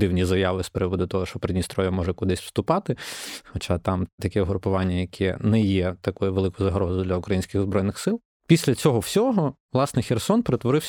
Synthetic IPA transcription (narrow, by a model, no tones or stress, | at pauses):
d̪ɪwnʲizɐjɑʋɪspeɾɪʋɔd̪ʊt̪ɔɦɔʃt͡ʃɔpɾɪnʲist̪ɾɔʋʲjɛmɔʒɛkʊd̪ɪsʲwst̪ʊpɑt̪ɪxɔt͡ʃɑt̪ɑmt̪ɐkʲɛɔɦɾʊpʊʋɑnʲːɐjɐkʰɛnɛjɛt̪ɐkɔjʊʋelˠɪkʊjʊzɐɦɾɔzʊd̪lʲɐʊkɾɐjinʲsʲkɪɣzbɾɔjnɪxsɪlˠ | pʲisʲlʲɐt͡sʲɔɦɔwsʲɔɦɔʋlˠɑsnɛxʲersɔnpeɾet̪ʋɔɾɪwsʲ